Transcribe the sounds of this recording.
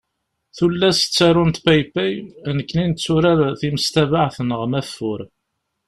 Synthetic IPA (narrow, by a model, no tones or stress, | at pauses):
θulːæst͡sːæɾˤʊnt̪pæjpæjnəkːnint͡sːʊɾæɾθiməst̪ævaʕθnəʁmæfːʊɾ